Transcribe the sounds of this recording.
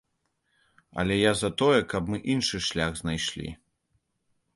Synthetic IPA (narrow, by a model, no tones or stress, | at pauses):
ɐ̰lʲɛjazɐt̪ɔjɛkɐbmɨʔinʂɨʂlʲaɣznajʂlʲḭ